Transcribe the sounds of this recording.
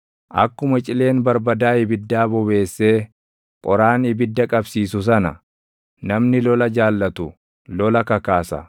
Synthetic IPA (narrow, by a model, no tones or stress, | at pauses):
ʔɐ̰kːʊmɐt͡ʃʼɪle̞ːnbɐɾbɐd̪aːɪbɪd̪ːaːbɔbe̞ːsːe̞ː | kʼɔɾaːnɪbɪd̪ːɐkʼɐbsiːsʊs̬ɐnɐ̰ | nɐmnɪlɔlɐd͡ʒaːlːɐt̪ʊ | lɔlɐkɐkaːsɐ̰